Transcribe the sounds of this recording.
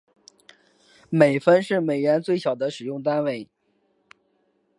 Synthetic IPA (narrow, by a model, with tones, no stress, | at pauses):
me˨˩ɪfə˥nʂɻ̩˥˩me˨˩ɪɥɛ˧˥nt͡swe˥˩ɪɕjɑ˨˩ʊd̪ə˦ʂɻ̩˨˩jʊ˥˧ŋt̪̬a˥nwe˥˩ɪ